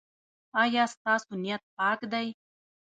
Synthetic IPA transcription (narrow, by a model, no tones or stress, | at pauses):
ɑjɑst̪ɑsunijat̪̚pɑkd̪aj